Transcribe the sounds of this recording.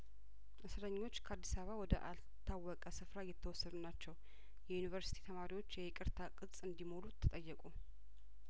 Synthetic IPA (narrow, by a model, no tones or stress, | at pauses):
ʔɨsɾəɲːo̞t͡ʃːkʰəad̪ːisaβawɔd̪ə̰ʔal | t̪ʰːawːɔkʼəsɨfɾajɛt̪ʰːəwɔsːəd̪unat͡ʃːɛw | jɛjunivəɾsi̥t̪ʰi̥t̪ʰəmaɾiwo̞t͡ʃːjɛkʼɨɾt̪ʰakʼɨsʼɨnd̪imo̞lut̪ʰːɨt̪ʼəjːɛkʼu